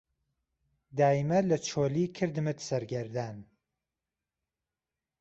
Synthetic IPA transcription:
d̪aːimɐlɐt͡ʃʰoːliːkʰɨɾd̪ɨmɨt̪sɐɾɡɐɾd̪aːn

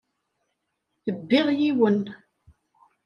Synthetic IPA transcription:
θəbːɪʁjiwən

